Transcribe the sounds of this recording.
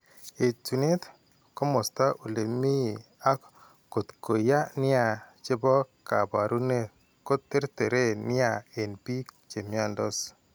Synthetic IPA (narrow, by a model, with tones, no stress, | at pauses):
e˨tu˨ni˦t̪ | ko˦mo˨st̪a˦ʔu˨le˨mi˦a˦k | ko˨t̪ko˨ja˦nɪ˦a˨t͡ʃe˦bɔ˦ka̰˨ba˨ɾu˦ne˦ | ko˦t̪ːe˦ɾt̪e˨ɾe˦˨nɪ˦a˨e˨npi˦ | t͡ʃe˨mja˦ndɔ˦s